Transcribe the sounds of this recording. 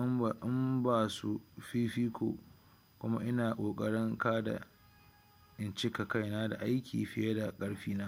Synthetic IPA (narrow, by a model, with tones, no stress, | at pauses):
ʔʔɪ˦mbaː˦˨su˦ɸiː˦ɸiː˦kʷʰo̰ː˨ | kʷʊ˦ma̰˦ʔɪ˦naː˨kʷʼoː˨kʼɐ˦ɽɪ˦ŋkaː˦da̰˨ | ʔɪ˨nt͡ʃɪ˦ka˨ka˦˨jnaː˦da̰˨ʔa˦jkʲʰiː˨jɸɪ˦jɐ˦da˨kʼɐ˦ɽɸiː˦naː˦